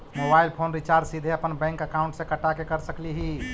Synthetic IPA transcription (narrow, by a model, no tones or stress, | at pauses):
mobailpʰonɾit͡ʃaɾɖsid̪ʱeəpənbɛ̃ŋkəkaʊ̃ɳʈsẽkəʈakekəɾsəkliɦi